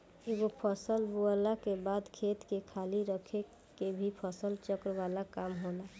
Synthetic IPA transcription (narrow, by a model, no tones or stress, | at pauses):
kiʋopʰəsəlbuəlakebad̪kʰet̪kekʰaliɾəkʰe | kebʱipʰəsəlt͡ʃəkɾʋalakamɦola